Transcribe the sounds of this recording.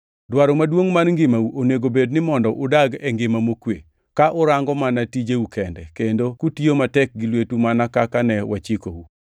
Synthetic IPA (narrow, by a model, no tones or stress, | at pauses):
dwaɾomadwoŋmanŋɡɪmauʔoneɡobednɪmɔndɔʔʊdaɡɛŋɡɪmamokwḛ | kaʔʊɾaŋɡɔmanatid͡ʒeukɛndɛ̰kendokutiomatɛk̚ɡɪlwetumanakakanɛwʔat͡ʃiko̰wu